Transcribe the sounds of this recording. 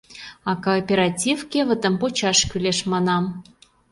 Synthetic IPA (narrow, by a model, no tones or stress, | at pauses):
ɑkopʲeɾɑtʲifkʲevə̆t̪ə̆mpot͡ɕɑʃkʲyleʃmɑnɑm